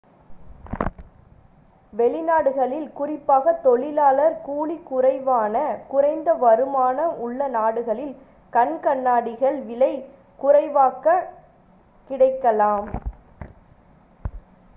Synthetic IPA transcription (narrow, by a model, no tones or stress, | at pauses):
ʋɛɭɪnaːɽɯɣɐɭɪlkʊrɪpːaːɣɐt̪ɔɭɪlaːlɐɾkuːɭikʊrɐɪʋaːnɐkʊrɐɪnd̪ɐʋɐɾɯmaːnɐʔʊɭːɐnaːɽɯɣɐɭɪl | kɐɳkɐɳːaːɽɪɣɐɭʋɪlɐɪ | kʊrɐɪʋaːkːɐ | kɪɽɐɪkːɐlaːm